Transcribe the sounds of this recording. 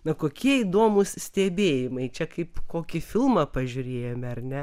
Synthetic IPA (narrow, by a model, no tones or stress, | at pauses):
nɐkoːkʲiɛiːd̪oːmʊssʲt̪ʲɛbʲeːjɪmɐɪt͡ʃʲɛkɐɪpkoːkʲɪfʲɪlˠmɐpɐʒʲʊɾʲeːjɛmʲɪɐrnʲɛ